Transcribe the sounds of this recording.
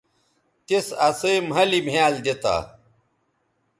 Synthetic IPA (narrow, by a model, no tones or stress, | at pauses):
t̪esɐsemɦɐlimʱaːld̪et̪a̰ː